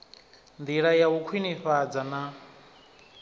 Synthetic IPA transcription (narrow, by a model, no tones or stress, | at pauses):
nd̪iɺajaukʰwiniɸad͡zana